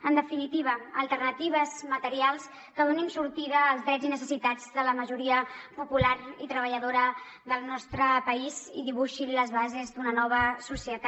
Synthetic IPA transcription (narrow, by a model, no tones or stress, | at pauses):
ənd̪əfinit̪iβ̞əəlˠt̪ərnət̪iβ̞əzmət̪əɾialˠs | kəðoninsuɾt̪iðəːlˠzðɾɛd͡zinəsəsit̪ad͡zðələməʒuɾiəpupulaɾit̪ɾəβəʎəðoɾə | ðəlˠnɔst̪ɾəpəiziðiβuʃiləzβazezd̪unənɔβ̞əsusiət̪a